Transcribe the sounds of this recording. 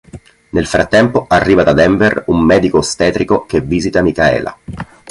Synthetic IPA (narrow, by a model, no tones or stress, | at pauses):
nelfɾat̪ːɛmpoarːiːvad̪ad̪ɛɱverumːɛːd̪ikost̪ɛːt̪ɾikok̟evːiːzit̪amikaɛ̰ːla̰